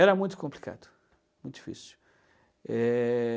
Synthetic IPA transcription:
ɛɾɐmũj̃t̪ʊkõmplika̰d̪ʊ̥ | mũj̃t̪ʊ̥d͡ʒ̥ifḭsi̥ | ɛ

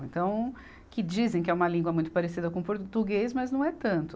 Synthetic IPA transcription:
ẽnt̪ɐ̃w̃ | kɪd͡ʒizẽj̃kɪɛũmɐlĩŋɡwɐmũj̃t̪ʊ̥paɾesid̪ɐkõpoɾt̪uɡejzmɐznɐ̃w̃ɛt̪ɐ̃nt̪ʊ

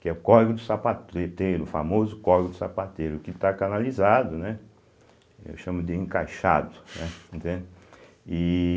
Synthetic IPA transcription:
kɪɛʊkɔɾɡʊd̪ʊsapat̪et̪ejɾʊfa̰mozʊkɔɾɡʊd̪ʊsapat̪ejɾʊkɪt̪akanalizad̪ʊnɛ | ḛwʃɐ̃mʊd̪ɪẽŋkajʃa̰d̪ʊnɛẽnt̪ẽnd̪ɪ | ɪ

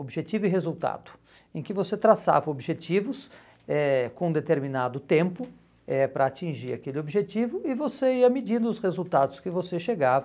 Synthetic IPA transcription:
obʒet͡ʃivʊɪɦezuwt̪a̰d̪ʊ̥ | ẽkɪvoset̪ɾasa̰vɐobʒet͡ʃivʊs | ɛkõd̪et̪eɾmĩnad̪ʊt̪ẽmpʊ | ɛpɾɐːt͡ʃĩʒiɾakelɪobiʒet͡ʃivʊɪvoseiɐmid͡ʒĩnd̪ʊʊsʁezuwt̪ad̪ʊskɪvoseʃeɡav

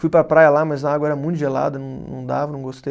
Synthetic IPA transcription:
fujpɾɐpɾajɐlamɐzlãaɡwɐɛɾɐmũt̪ʊʒela̰d̪ɐnɐ̃w̃nɐ̰̃w̃d̪a̰vɐnɐ̃w̃ɡost̪ej

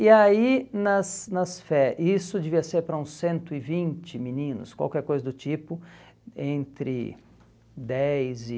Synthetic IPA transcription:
ɪainɐsnɐsfɛʔisʊd͡ʒeviɐseɾpɾɐũsːẽnt̪ʊɪvĩnt͡ʃɪminĩnʊ̰skwa̰wkɛɾkojzɐd̪ʊt͡ʃipʊ | ẽnt̪ɾɪ̰ | d̪ɛjzɪ

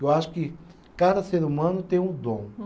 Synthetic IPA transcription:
ewaʃʊ̥kɪ | kad̪ɐseɾumɐ̃nʊt̪ẽj̃ũd̪õ

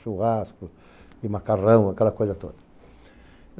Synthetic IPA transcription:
ʃuhaskʊ | ɪmakarɐ̃w̃akɛlɐkojzɐt̪o̰d̪ɐ

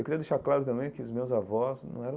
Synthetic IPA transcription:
ewkɪɾiɐd̪eʃaɾklaɾʊt̪ɐ̃mbẽj̃kɪʊzmewzavɔsnɐ̰̃w̃ɛɾɐ̃

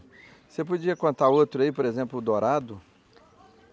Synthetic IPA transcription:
sepod͡ʒiɐkõnt̪aɾowt̪ɾʊɐipoɾezẽmplʊd̪oɾad̪ʊ

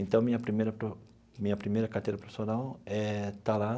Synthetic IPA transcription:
ẽnt̪ɐ̃w̃mĩɲɐpɾimejɾɐpo | mĩɲɐpɾimejɾɐkaɾt̪ejɾɐpɾefsonawɛt̪ala

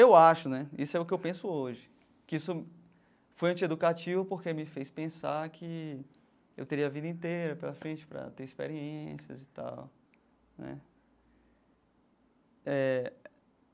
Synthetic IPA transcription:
ewaʃʊnɛisʊɛʊkɪewpẽsʊoʒɪ | kɪisʊ | fojɐ̃t͡ʃɪed̪ukat͡ʃivɐpoɾkemɪfejspẽsaɾkʰɪ | ḛwt̪eɾiɐvid̪ɐĩt̪ejɾɐpelɐfɾẽt͡ʃɪ̥pɾɐ̰t̪eɾispḛɾiẽsjɐ̰zɪt̪a̰w | nɛ̰ | ɛ

